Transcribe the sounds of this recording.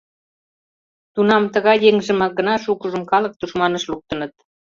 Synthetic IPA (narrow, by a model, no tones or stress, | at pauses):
t̪unɑmt̪əɣɑjeŋʒə̆mɑɡə̆nɑʃukəʒə̆mkɑlɤ̆k̚t̪uʃmɑnə̆ʃluk̚t̪ə̆nət̪̚